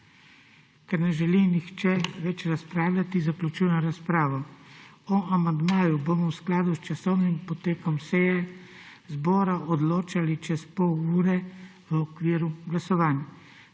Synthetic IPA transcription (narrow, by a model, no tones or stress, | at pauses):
kɛɾnɛʒɛlinixt͡ʃɛʋɛt͡ʃɾaspɾaːwlʲat̪izaklʲut͡ʃujnɔɾaspɾaːʋɔ | ɔamand̪maːjubomɔwsklaːd̪ust͡ʃasɔwnimpɔt̪eːkɔmsɛjɛ | zbɔːɾaʔɔd̪loːt͡ʃalit͡ʃɛspɔwuːɾɛʋəɔkʋiːɾuɡlasɔʋaːnja